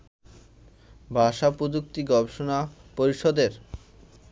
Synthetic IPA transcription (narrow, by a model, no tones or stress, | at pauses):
bʱaʃapɾod͡ʑuk̚t̪iɡɔbʃonapoɾiʃɔd̪eɾ